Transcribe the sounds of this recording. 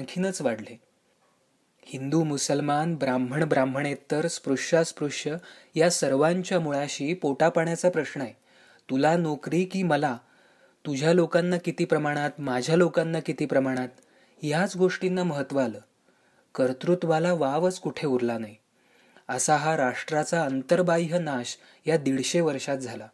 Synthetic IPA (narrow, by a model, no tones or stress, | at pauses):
aŋkʰiːnət͡sʋaɽle | hind̪uːmusəlmanbɾamb̤ʱəɳbɾamb̤ʱəɳjet̪ːəɾspɾuʂaspɾuʂjə | jasəɾʋaɲt͡ɕjamuɭaɕiːpoʈapaɳjat͡sapɾəɕɳəae | t̪ulanokɾiːkiːməla | t̪ud͡ʑʱjalokanːakit̪iːpɾəmaɽ̃at̪mad͡ʑʱjalokanːakit̪iːpɾəmaɽ̃at̪ | jat͡sɡoʂʈinːaməɦət̪ːʋəaləː | kəɾt̪ɾut̪ʋalaʋaʋət͡skuʈʰeuɾlanaj | əsaɦaɾaʂʈɾat͡saənt̪əɾbajɦənaɕ | jad̪iɽɕeʋəɾʂat̪̚d͡zʱala